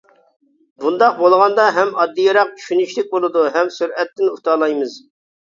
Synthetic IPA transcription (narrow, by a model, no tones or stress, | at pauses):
bund̪ɑq̚bolˠʁɑnd̪ɑɦɛmɑd̪ːɨjɑɾɑq̚t͡ʃʰy̥ʃynyʃlɪk̚ʲbolˠɨd̪uɦɛmsyɾɛt̪ːɪnut̪ʰɑlˠɑjmɨz̥